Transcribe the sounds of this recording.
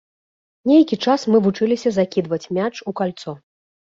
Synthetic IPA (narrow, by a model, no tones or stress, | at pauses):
nʲejkʲit͡ʂasmɨvut͡ʂɨlʲisʲɐzakʲid̪vɐt͡sʲmʲat͡ʂukalʲt̪sɔ